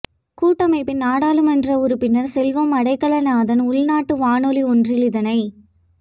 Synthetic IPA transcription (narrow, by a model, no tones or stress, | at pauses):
kuːʈːɐmɐɪpːɪnnaːɽaːlɯmɛndrɐʊɾɯpːɪnːɐɾsɛlʋɐmɐɽɐɪkːɐɭɐnaːðɐnʊɭnaːʈːɯʋaːnɔliɔndrɪlɪðɐnɐɪ